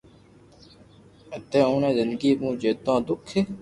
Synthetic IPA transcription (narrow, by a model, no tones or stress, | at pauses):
ət̪ẽːũːnẽːzɪnd̪ɡiːmũːd͡ʒeːd̪ãːd̪ʊkʰːe